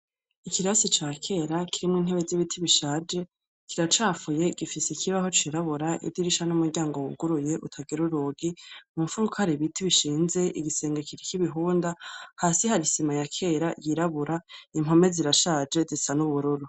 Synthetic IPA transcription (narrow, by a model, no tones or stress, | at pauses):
ikiɾasit͡ʃaːkʰe̞ːɾakiɾimŋiːn̥eβeziβitʰiβiʃaːd͡ʒe̞ | kʰiɾat͡ʃaːfuje̞ɡ̥ifisikʰiβaɦo̞t͡ʃiɾaβuɾaʔḭddiɾiʃanumuɾɟaːŋɡowuɡuɾuje̞ʔutʰaɡiɾuɾuːɡimuɱfuɾukaɾiβitʰiβiʃiːnze̞ʔiɡise̞ːŋɡakiɾikiβiɦuːndahaːsihaɾisimajakʰe̞ːɾajiɾaβuɾaim̥o̞me̞ziɾaʃaːd͡ʒe̞zisanuβuɾuɾu